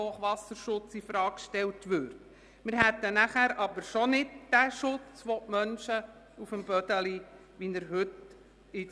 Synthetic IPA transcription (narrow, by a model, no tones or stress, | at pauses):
oːχʋɑsəɾʃʊt͡sifɾɑːkʃtɛlt̪ʋøɾt | mɪɾɦɛt̪ːənæχæːɾʔɑbəɾʃɔnɪdd̥æʃʊt͡sʋɔʔmœnʃə | ufəmbœd̪əli | ʋinəɾɦɵt | ɪ